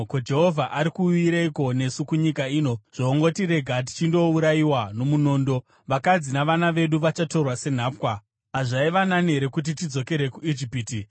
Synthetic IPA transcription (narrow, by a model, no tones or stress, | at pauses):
kod͡ʒe̞ɦo̞vʱaʔaɾikuiɾeiko̞ne̞sukuɲikaiːno̞ʐ̥oːŋɡo̞tire̞ɡʱat̬i̥t͡ʃindo̞uɾaiwano̞muno̞ːndo̞ | ʋakad͡zinaʋanaʋe̞ɗuʋat͡ʃato̞rwase̞n̤aːpwa | aʐaiʋananeɾe̞kut̬itid͡zo̞ke̞ɾe̞kuid͡ʒipiːti